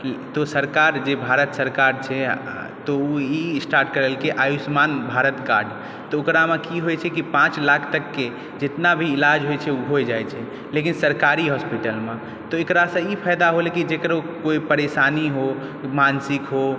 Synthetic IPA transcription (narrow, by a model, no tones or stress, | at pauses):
t̪ɔsəɾkaɾd͡ʒebʱaɾət̪səɾkaɾt͡ʃʰɛ | t̪ɔuisʈaɾʈkəɾəlkeʔajusmanbʱaɾət̪ka̰ɾɖ | t̪ɔokɾamẽkiɦojt͡ʃʰɛkipãt͡ʃlakʰt̪əkːe | d͡ʒet̪nabʱiːlad͡ʒɦojt͡ʃʰɛuɦojd͡ʒajt͡ʃʰɛ | lekinsəɾkaɾiɦɔspiʈəlmẽ | t̪ɔekɾasə̃ipʰajd̪aɦolekid͡ʒekəɾokoipəɾesaniɦo | mansikɦo